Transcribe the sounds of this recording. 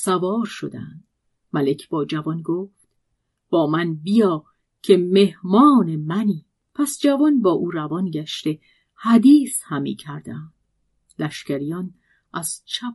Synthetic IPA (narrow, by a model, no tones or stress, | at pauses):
sævɒːɾʃo̞d̪æ̰nd̪̥ | mæle̞cʰb̥ɒːd͡ʒævɒnɡoːft̪ | b̥ɒːmænbijɒː | cʰe̞me̞hmɒːnemæniː | pʰæsd͡ʒævɒnbɒːʔuːɾævɒnɟæʃt̪e̞ | hæd̪iːshæmḭːcʰæɾd̪̥ænd̥ | læʃcæɾijɒːn | ʔæz̥t͡ʃʰæp